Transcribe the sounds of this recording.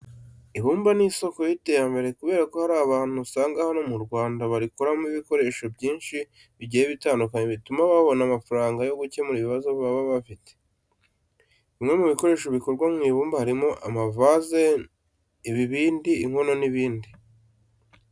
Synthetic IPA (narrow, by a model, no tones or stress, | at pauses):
iβuːmbaniso̞ko̞jite̞jambe̞ɾe̞kuβe̞ːɾako̞haɾaːβaːn̥husaːŋɡahano̞muɾɡwaːndaβaɾikoɾamiβiko̞ɾe̞ʃo̞bjiːnʃi | βiɟijeβitaːndukaɲe̞βitumaβaβo̞namafaɾaːŋɡajo̞ɡuce̞muɾiβiβazo̞βaβaβafite̥ | imŋe̞muβiko̞ɾe̞ːʃoβiko̞ɾɡwamŋiːβuːmbahaɾimo̞ʔamavaze | iβiβiːndiːŋ̥ho̞no̞niβiːndi